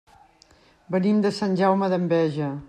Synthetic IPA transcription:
bənimd̪əsanʲʒawməðəmbɛʒə

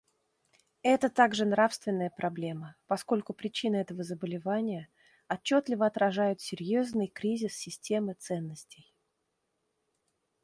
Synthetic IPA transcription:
ɛt̪ət̪aɡʐɨnɾafst̪vʲɪnːəjəpɾʔɐblʲe̞məpɐsko̞lʲkʊpɾʲɪt͡ɕinəɛt̪əvəzəbəlʲɪvanʲɪjə | ɐt͡ɕːot̪lʲɪvəɐt̪ɾɐʐajʊt̪sʲɪɾʲjoznɨjkɾʲizʲɪsːʲɪsʲtʲe̞mɨt̪sɛnːəsʲtʲɪj

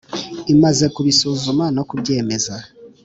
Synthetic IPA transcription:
imaze̞kuβisuzumano̞kubɟe̞ːme̞za

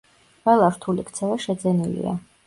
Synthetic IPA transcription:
wɛlˠaɾt̪ʰulikʰt̪sʰɛvaʃɛd̪zɛnilḭa̰

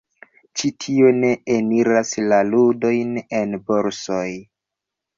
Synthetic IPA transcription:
t͡ʃitʰio̞ne̞eniɾaslaludo̞jne̞nbo̞ɾsoj

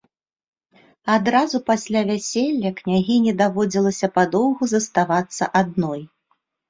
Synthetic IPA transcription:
ad̪ɾazupasʲlʲavʲæsʲelʲːɐknʲaɣʲinʲɛd̪avɔd͡zʲilˠɐsʲɐpad̪ɔwɣuzɐst̪avat̪sːɐʔad̪nɔj

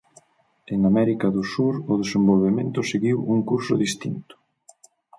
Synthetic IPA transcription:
eŋamɛɾikaðʊsuɾʊðesembolβemẽnt̪ʊseɣiwuŋkuɾsʊðist̪int̪ʊ̥

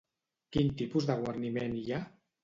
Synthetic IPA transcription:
kint̪ipuzðəɣwəɾnimenia

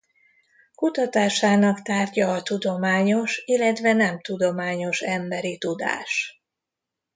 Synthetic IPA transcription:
kut̪ɒt̪aːʃaːnɒkt̪aːrɟɒːt̪ud̪o̞maːɲo̞ʃilːɛt̪vɛnɛmt̪ud̪o̞maːɲo̞ʃɛmbɛɾit̪ud̪a̰ːʃ

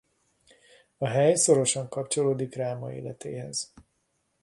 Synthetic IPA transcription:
ɒɦɛjso̞ɾo̞ʃɒŋkɒpt͡ʃo̞loːd̪ikraːmɒḛːlɛt̪ḛːhɛz̥

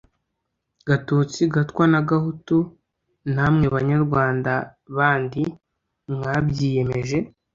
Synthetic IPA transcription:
ɡatuːt͡siɡatkwanaɡahutu | namŋe̞βaɲaɾɡwaːndaβaːndi | mŋabjiːje̞me̞ʒe̞

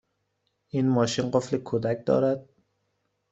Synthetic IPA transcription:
ʔiːnmɒːʃinɢoflekʰod̪æc̚d̪ɒ̰ːɾæd̪̥̚

